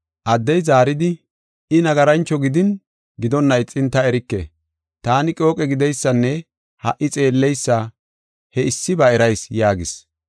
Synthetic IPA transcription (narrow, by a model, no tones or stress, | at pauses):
ʔɐd̪ːɛjzaːɾɪd̪ɪ | ɪnɐɡɐɾɐnt͡ʃːɔɡɪd̪ɪn | ɡɪd̪ɔnːɐjt͡sʼɪnt̪ːɐɛɾɪkːɛ̰ | t̪aːnɪkʼo̞ːkʼɛɡɪd̪ɛjsːɐnːɛ | hɐʔːɪt͡sʼe̞ːlːɛjsːɐ | hɛɪsːɪbɐɛɾɐjsjaːɡɪs